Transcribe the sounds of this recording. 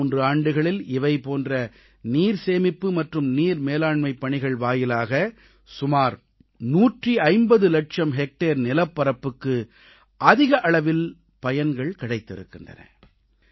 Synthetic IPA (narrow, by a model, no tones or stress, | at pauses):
ndrɯaːɳɖɯɣɐɭɪlɪʋɐɪpoːndrɐ | niːɾseːmɪpːɯmɐʈrɯmniːɾmeːlaːɳmɐɪpːɐɳɪɣɐɭʋaːjɪlaːɣɐ | sʊmaːɾ | nuːʈriɐɪmbɐðɯlɐʈ̚t͡ʃɐmɦɛk̚ʈeːɾnɪlɐpːɐɾɐpːɯkːɯ | ʔɐðɪɣɐʔɐɭɐʋɪl | pɐjɐnɡɐɭkɪɽɐɪt̪ːɪ̰ɾɯ̰kːɪndrɐ̰nɐ̰